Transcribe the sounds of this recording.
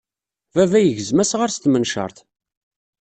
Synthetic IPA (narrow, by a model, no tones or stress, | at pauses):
vævæjəʝəzmæsʁəɾst̪mənʃə̰ɾˤθ